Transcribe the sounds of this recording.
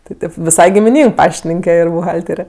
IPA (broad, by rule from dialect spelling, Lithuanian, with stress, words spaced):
tʲɪ ˈtʲeːp ʋʲɪˈsɐɪ ɡʲɪmʲɪˈnʲiːŋk ˈpɑːʃʲtʲɪnʲɪŋʲkʲɛ ˈɪr bʊˈɣɐlʲtʲɛrʲɛ